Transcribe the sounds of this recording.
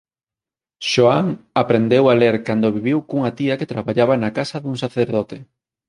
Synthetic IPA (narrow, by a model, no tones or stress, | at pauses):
ʃoaŋapɾend̪ewaleɾkand̪oβiβiwkuŋat̪iɐket̪ɾaβaʎaβanakasɐðuŋsaθeɾðɔt̪e